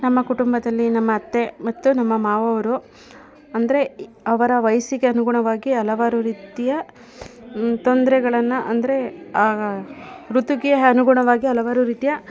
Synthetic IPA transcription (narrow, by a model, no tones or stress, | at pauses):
nɐmːɐkuʈumbɐd̪ɐlːinɐmːɐːt̪ːe̞mɐt̪ːunɐmːɐmaːʋɐʋɐɾu | ɐnd̪ɐɾe̞ | ɐʋɐɾɐʋɐjɐsiɡeɐnuɡuɳɐʋaːɡiɐlɐʋaːɾuɾiːt̪ijɐ | t̪ond̪ɐɾɛɡɐɭɐnːɐʔɐnd̪ɐɾe̞aː | ɾut̪uɡijɐɐnuɡuɳɐʋaːɡiɐlɐʋaːɾuɾiːt̪ijɐ